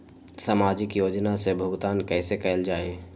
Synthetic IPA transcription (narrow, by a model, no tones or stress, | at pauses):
saːmaːd͡ʒɪkjoːd͡ʒnasebʱʊɡt̪aːnkɛːsekɛld͡ʒaːeː